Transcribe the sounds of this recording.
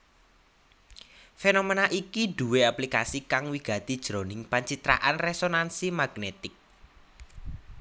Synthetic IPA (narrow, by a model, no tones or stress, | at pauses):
fenomenaʔikid̥ṳweaplikasikaŋwiɡ̥ä̤t̪id̥ʒ̥ɾonɪŋpaɲt͡ʃit̪ɾa̰ʔanresonansimaɡ̥net̪ɪk̚